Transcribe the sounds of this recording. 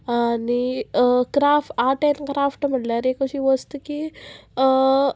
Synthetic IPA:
anikɾafʈaʈenkɾafʈm̤əʈljaɾekəɕiːʋəst̪ki

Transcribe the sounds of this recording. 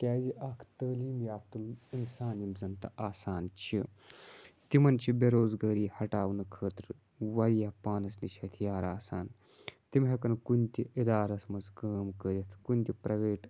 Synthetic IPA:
kʲaːziʔɐkʰt̪əːliːmjaːp̚t̪ulinsaːnimzɐnt̪ɐ̰ʔaːsaːnt͡ʃʰi | t̪imɐnt͡ʃʰibeɾoːzɡɐːɾiːhɐʈaːʋnɐkʰəːt̪ɾ | ʋɐɾijapaːnɐsniʃʰɐt̪ʰijaːɾaːsaːn | t̪imɦekɐnkunʲt̪ʲiʔid̪aːɾɐsmɐskəːmkəɾʲit̪ʰkunʲt̪ipɾɐʋeːʈ

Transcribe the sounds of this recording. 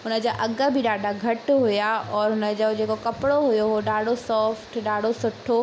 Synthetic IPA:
ɦʊnəd͡ʑaʔɐɠə̆bʱɪɗaːɖʱaɡʱɐʈɦʊjaʔɔːɾɦʊnəd͡ʑod͡ʑeːkokɐpɪɽoɦʊjoɦoɗaːɽ̤osɔːfʈɗaːɽ̤ʱosʊʈʰo

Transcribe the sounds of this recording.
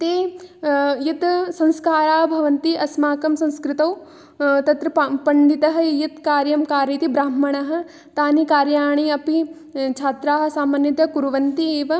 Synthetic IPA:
t̪eː | jit̪sɐ̃nskaːɾaːɦbʱɐʋɐnt̪iʔɐsmaːkɐmsɐ̃nskɾɪt̪ɐw | t̪ɐt̪ɾɐpɐɳɖit̪ɐɦɐ̆jit̪kaːɾjɐmkaːɾit̪ibɾaːmːɐɳɐɦɐ̆ | t̪aːnikaːɾjaːɳ̃iɐpi | t͡ʃʰaːt̪ɾaːɦɐ̆saːmɐnjit̪ɐkuɾuʋɐnt̪ieːʋɐ

